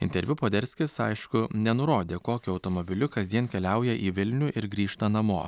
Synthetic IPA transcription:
ɪnʲt̪ʲɛɾʲʋʲʊpoːd̪ʲɛɾʲsʲkʲɪsɐ̰ɪʃkʊnʲɛnʊɾoːd̪ʲeːkoːkʲʊɐʊt̪omobʲɪlʲʊkɐzʲd̪ʲiɛnkʲɛlʲæˑʊjɛʔiːʋʲɪlʲnʲuːʔɪɾɡɾʲiːʃt̪ɐnɐmoː

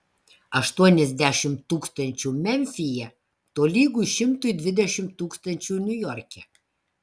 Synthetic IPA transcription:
ɐʃt̪uɔnʲɛzʲd̪ʲæʃʲɪmt̪ːuːkst̪ɐnʲt͡ʃʲuːmʲɛnʲfʲɪjɛ | t̪oːlʲiːɡujʃʲɪmt̪ʊjd̪ʲʋʲɪd̪ʲɛʃʲɪmt̪ːuːkst̪ɐnʲt͡ʃʲuːnʲʊjɔɾʲkʲɛ

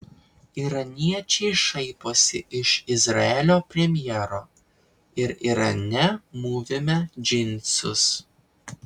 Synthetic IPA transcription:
iɾɐnʲiɛt͡ʃʲɛɪʃɐɪpoːsʲɪɪʃɪzɾɐɛlʲoːpʲɾʲɛmʲjɛɾoː | ɪɾiɾɐnʲɛmuːʋʲɪmʲɛd͡ʒʲɪnʲsʲʊs

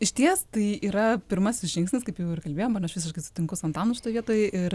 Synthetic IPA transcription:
ɪʃʲt̪ʲiɛst̪ɐɪiːɾɐpʲɪɾmɐsʲɪsʒʲɪŋksʲnʲɪskɐɪpjɛʊɪrkɐlʲbʲeːjoːmɐnɐʃʋʲɪsʲɪʃkɐɪsʊ̥t̪ʲɪŋkʊsɐnt̪ɑːnʊʃʲɪt̪oɔjʋʲiɛt̪oːjɪɾ

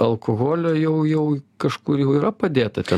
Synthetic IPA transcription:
ɐlˠkoɣoːlʲoːjɛʊjɛʊkɐʃkuɾjɛʊiːɾɐpɐd̪ʲeːt̪ɐt̪ʲɛ

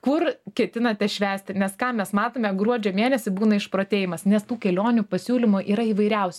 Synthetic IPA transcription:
kʊrkʲɛt̪ʲɪnɐt̪ʲɛʃʲʋʲæːsʲt̪ʲɪnʲɛskɑːmʲɛsmɑːt̪oːmʲɛɡɾuɔd͡ʒʲomʲeːnʲɛsʲɪbuːnɐɪʃpɾoːt̪ʲeːjɪmɐsnʲɛst̪uːkʲɛlʲoːnʲupɐsʲuːlʲɪmʊʔiːɾɐiːʋɐɪɾʲɛʊsʲɛ

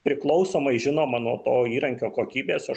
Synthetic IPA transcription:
pʲɾʲɪklˠɒʊsoːmɐɪʒʲɪnoːmɐnuɔt̪oːiːɾɐŋʲkʲoːkoːkʲiːbʲeːsɐ

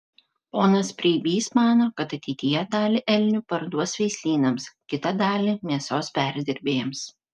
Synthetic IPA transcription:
poːnɐspʲɾʲiːbʲiːsmɑːnoːkɐt̪ɐt̪ʲɛɪt̪ʲɪjɛd̪ɑːlʲɪʔɛlʲnʲʊpɐɾd̪uɔsʲʋʲɛɪsʲlʲiːnɐmskʲɪt̪ɐd̪ɑːlʲimʲiɛsoːspʲæˑɾʲd̪ʲɪɾʲbʲeːjɛms

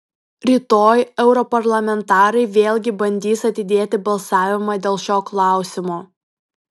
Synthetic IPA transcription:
ɾʲiːt̪oːjɛʊɾɔpɐɾlˠɐmʲɛnt̪ɑːɾɐɪʋʲeːlʲɡʲɪbɐnʲd̪ʲiːsɐt̪ʲɪd̪ʲeːt̪ʲɪbɐlˠsɑːʋʲɪmɑːd̪ʲeːlˠʃʲoːklˠɑˑʊsʲɪmoː

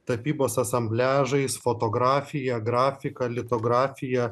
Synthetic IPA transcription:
t̪ɐpʲiːboːsɐsɐmʲbʲlʲæːʒɐɪsfot̪oːɡɾɑːfʲɪjɛɡɾɑːfʲɪkɐlʲɪt̪oːɡɾɑːfʲɪjɛ

